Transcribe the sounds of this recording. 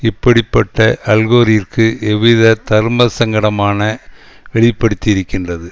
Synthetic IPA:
ɪpːɐɽɪpːɐʈːɐʔɐlɣoːɾɪjɐrkɯʔɛʋɪðɐt̪ɐɾmɐsɐŋɡɐɽɐmaːnɐ | ʋɛɭɪpːɐɽɯt̪ːɪɪɾɯkːɪndrɐðɯ

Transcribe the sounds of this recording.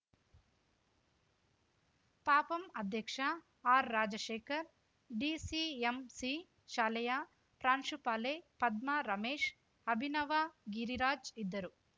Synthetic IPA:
paːpɐmɐd̪ʱjɐkʂɐ | aːɾːaːd͡ʒɐʃeːkɐɾ | ɖiːsiːemsi | ʃaːlɐjaː | pɾaːnʂupaːleːpɐd̪̚maɾɐmeːʂ | ɐbʱinɐʋaːɡiɾiɾaːd͡ʒid̪ːɐɾu

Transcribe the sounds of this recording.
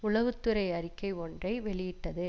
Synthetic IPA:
ʊɭɐʋɯt̪ːɯɾɐɪɐɾɪkːɐɪɔndrɐɪʋɛɭɪjɪʈːɐðɯ

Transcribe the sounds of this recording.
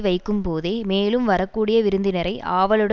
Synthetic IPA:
ʋɐɪkːɯmpoːðeːmeːlɯmʋɐɾɐkːuːɽɪjɐʋɪɾɯnd̪ɪnɐɾɐɪʔaːʋɐɭɯɽ

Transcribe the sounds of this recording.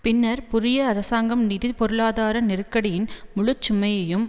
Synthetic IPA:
pɪnːɐɾpʊɾɪjɐɐɾɐsaːŋɡɐmniːðipɔɾɯɭaːðaːɾɐnɪrɯkːɐɽɪjɪnmʊɭɯt͡ʃːʊmɐjɐjɯm

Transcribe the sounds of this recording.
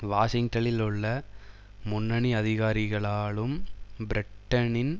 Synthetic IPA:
ʋaːʂɪŋʈɐlɪlʊɭːɐ | mʊnːɐɳiɐðɪɣaːɾɪɣɐɭaːɭɯmbɪɾɪʈːɐnɪn

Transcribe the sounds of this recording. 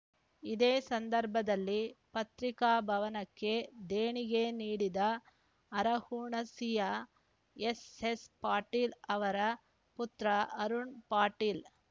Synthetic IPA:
id̪eːsɐnd̪ɐɾbʱɐd̪ɐlːipɐt̪ɾikaːbʱɐʋɐnɐkːe̞d̪eːɳiɡeniːɽid̪ɐː | ɾɐhuːɳɐsija | esespaːɾʈiːlɐʋɐɾɐ | put̪ɾɐɐɾuɳpaːɾʈiːl

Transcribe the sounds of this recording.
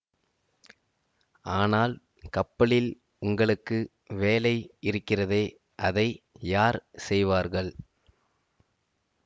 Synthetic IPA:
aːnaːl | kɐpːɐɭɪl | ʊŋɡɐɭɯkːɯ | ʋeːlɐɪɪɾɯkːɪrɐðeː | ʔɐðɐɪjaːɾsɛjʋaːɾɣɐɭ

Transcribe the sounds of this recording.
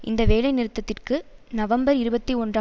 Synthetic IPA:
ʔɪ̰nd̪ɐʋeːlɐɪnɪɾɯt̪ːɐt̪ːɪrkɯnɐʋɐmbɐɾɪɾɯbɐt̪ːiɔndr

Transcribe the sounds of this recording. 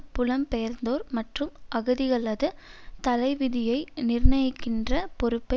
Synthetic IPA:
pʊlɐmpɛjɐɾnd̪oːɾmɐʈrɯmʔɐɣɯðɪɣɐɭɐðɯt̪ɐlɐɪʋɪðɪjɐɪnɪrnɐjɪkːɪndrɐpɔɾɯpːɐ

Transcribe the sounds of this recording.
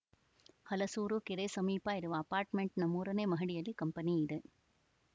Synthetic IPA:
hɐlɐsuːɾukiɾesɐmiːpaːɪɾɯʋɐːpaːɾʈmeɳʈnɐmuːɾɐneːmɐɦiɽijɐlːikɐmpɐniɪd̪ɯ

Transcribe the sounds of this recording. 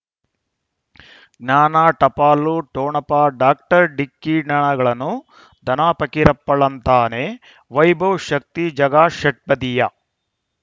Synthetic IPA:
naːnaːʈɐpaːluʈoːɳɐpaːɖaːk̚ʈɐɾɖikːiɳɐɳɐɡɐɭɐnːu | d̪ʱɐnaːpɐkiɾɐpːɐɭɐnt̪aːneː | ʋɐjbʱɐwʃɐk̚t̪id͡ʒɐɡaːʃɐʈ̚pɐd̪ijɐ

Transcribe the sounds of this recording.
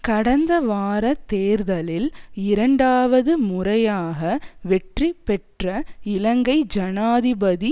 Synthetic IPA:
kɐɽɐnd̪ɐʋaːɾɐt̪ːeːɾðɐlɪlɪɾɐɳɖaːʋɐðɯmʊrɐjaːɣɐʋɛʈripːɛʈrɐɪlɐŋɡɐɪd͡ʒɐnaːðɪbɐði

